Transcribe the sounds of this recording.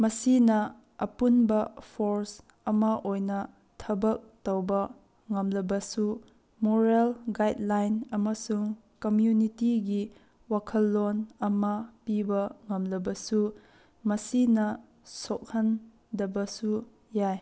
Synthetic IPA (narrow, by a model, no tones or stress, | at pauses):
mɐsinɐ | ɐpunbɐpʰoɾs | ɐmɐʔojnɐ | tʰɐbɐk̚tɐwbɐ | ŋɐmlɐbɐsu | moɾelɡajdlajnɐmɐsuŋ | komjunitiɡi | wakʰɐlːonɐmɐpibɐŋɐmlɐbɐsu | mɐsinɐ | sok̚hɐn | dɐbɐsu | jaj